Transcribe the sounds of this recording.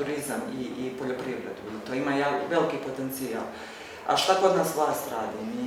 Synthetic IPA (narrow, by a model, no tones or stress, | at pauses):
uɾizamiipo̞ʎo̞pɾiʋɾed̪uit̪oimajaʋelikipo̞t̪ent̪sia̰ːl | a̰ʃt̪ako̞d̪naːsʋlˠaːst̪ɾaːd̪ini